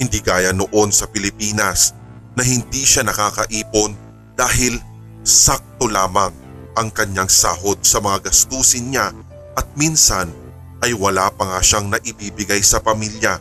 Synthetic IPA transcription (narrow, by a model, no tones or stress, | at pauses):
hɪnd̪iːɡaːjɐnoʔo̞nsɐpɪlɪpiːnɐs | nɐɦɪnd̪iːʃanɐkaːkɐʔiːpo̞n | d̪̥aːɦɪl | sak̚t̪o̞laːmɐŋ | ʔɐŋkɐɲjaŋsa̰ːɦo̞d̪̚sɐmɐŋaɡɐst̪uːsɪnɲa | ʔɐt̪̚minsɐn | ʔɐjwɐlapɐŋaʃaŋnɐʔɪbiːbɪɡajsɐpɐmiljɐ